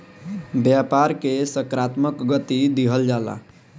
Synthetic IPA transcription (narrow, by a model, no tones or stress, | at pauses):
bjapaɾkesəkɾat̪məkɡət̪id̪iɦəld͡ʒala̰